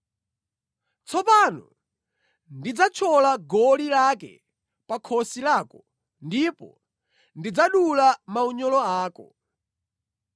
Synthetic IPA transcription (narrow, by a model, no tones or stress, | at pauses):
t͡sʰɔpanɔ̰ | ndid͡zat͡ʃʰɔlaɡɔlilakɛ̰ | pakʰɔsilaːkɔ | ndipɔ̰ | ndid͡zaɗulamauɲɔlɔaːkɔ